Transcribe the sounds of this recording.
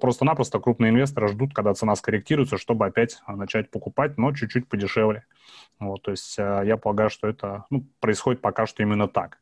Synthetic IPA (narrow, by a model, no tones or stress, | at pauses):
pɾo̞st̪ənapɾəst̪əkɾupnɨjəɪnvʲe̞s̬t̪əɾɨʐd̪ut̪̚kɐɡ̚d̪at̪sɨnaskəɾʲɪk̚tʲiɾʊjt̪səʂt̪o̞bɨɐpʲætʲnɐt͡ɕæt̚ʲpəkʊpat̚ʲno̞t͡ɕʉt͡ɕːʉtʲpədʲɪʂɛvlʲɪ | vot̪ːo̞ɪsʲtʲəjapəlˠɐɡajʊʂt̪o̞ɛt̪ənupɾəɪsxo̞dʲɪt̪pɐkaʂt̪o̞imʲɪnːət̪ak